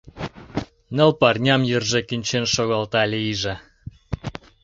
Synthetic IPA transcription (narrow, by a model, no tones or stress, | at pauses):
nə̆lpɑrnʲɑmjərʒĕkinʲt͡ɕenʃoɣɑlt̪ɑlʲiʒĕ